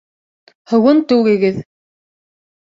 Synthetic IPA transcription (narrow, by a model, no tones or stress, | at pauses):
hŏwɤnt̪ʉwɡɘ̆ɡɘð